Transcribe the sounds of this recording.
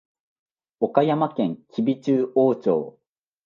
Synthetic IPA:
okajamakẽ̞ŋkʲʰibʲit͡ɕɨːʔoːt͡ɕo̰ː

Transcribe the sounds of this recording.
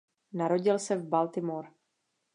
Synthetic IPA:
naɾo̞ɟɪlsɛvbalt̪ɪmoɾ

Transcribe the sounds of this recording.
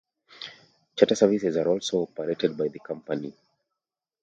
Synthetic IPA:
t͡ʃatasɛvisɛzaɹɔlsoɔpəɹetɛd̚bajðəkʰʌ̃mpəni

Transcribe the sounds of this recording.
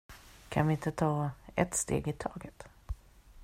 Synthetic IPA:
kʰanvɪɪnt̪ət̪ʰɑːɛ̰t̪st̪ḛːɡɪt̪ʰɑːɡət̪

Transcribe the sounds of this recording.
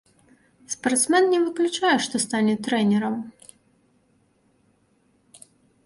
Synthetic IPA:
spɐrt̪smɛnnʲɛvɨklʲut͡ʂajɛʂt̪ɔst̪anʲɛt̪ɾɛnʲɛɾɐm

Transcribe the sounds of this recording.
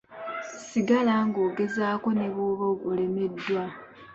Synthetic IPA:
siɡalaŋɡo̞ːɡe̞zaːko̞ne̞βoβoole̞me̞dːwa

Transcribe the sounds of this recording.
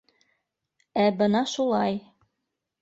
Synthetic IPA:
æbɤnɑʃulˠɑj

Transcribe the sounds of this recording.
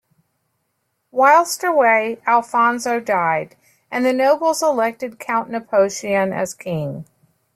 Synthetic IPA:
waɪlˠstə˞weɪælˠfɑ̃nzoʊdaɪɾ | ʔɨ̃nðɨnoʊbl̩ˠzəlɛk̚tɨd̚kʰãʊ̃nːɨpʰoʊʃiɨ̃nɨ̰z̥kʰɪ̃ŋ

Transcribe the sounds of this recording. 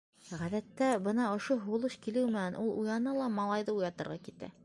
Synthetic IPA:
ʁæðæt̪ːæbɤnɑŏʃoɦulˠɤɕkilɘwmɘ̆nænʔulˠʔujɑnɤlˠɑmɑlˠɑjðɤujɑt̪ɤ̆ɾʁɑkit̪æ̰

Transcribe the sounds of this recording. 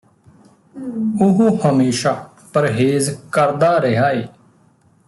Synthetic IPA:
ʊɦuhəmeːʃaː | pəɾɦeːzkəɾd̪aːɾeɦaːeː

